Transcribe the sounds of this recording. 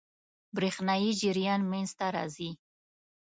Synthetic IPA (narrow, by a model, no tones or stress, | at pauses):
bɾexnɑjid͡ʒɪɾjɑnmenzt̪aɾɑ̰zi